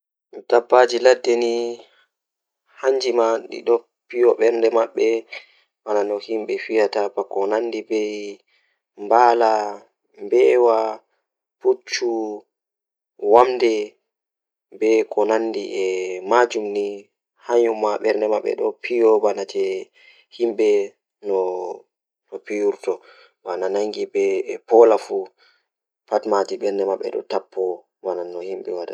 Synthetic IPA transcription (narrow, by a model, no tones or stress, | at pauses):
d̥abːad͡ʒiladːɛni | haɲd͡ʒimaɗḭɗɔ | pijɔɓɛɾndɛmaɓːɛ | wananɔhimɓɛfijatapakɔnandibɛj | mbala | mbɛːwa | put͡ʃːu | wamdɛ | bɛkʰɔnanːdiʔɛmad͡ʒumni | haɲɔmːaɓɛɾndɛmaɓːɛ̰ɗɔpʰijɔbanatɛ | himɓɛ | nɔ | nɔpijuɾtɔ | bananaŋɡibɛpɔlafu | patmatiɓɛɾndɛmaɓːɛ̰ɗɔ̰tapʰːɔ | bananːɔhimɓɛwada̰